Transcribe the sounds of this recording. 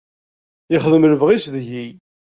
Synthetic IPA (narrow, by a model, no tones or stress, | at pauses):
jɪχəðəmələvʁisðʝi